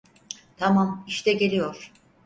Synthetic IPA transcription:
t̪ʰamamiʃt̪ɛɟe̞lʲijoɾ̥

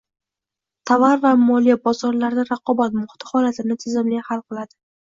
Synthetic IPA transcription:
t̪ʰavaɾvamɒlijabɒzɒɾlaɾd̪aɾɑqʰɒbat̪mʊht̪ʰɪ̥hɒlat̪ʰɪnɪt̪ʰɪzɪmlɪjhalˠqʰɨlˠad̪̥ɪ

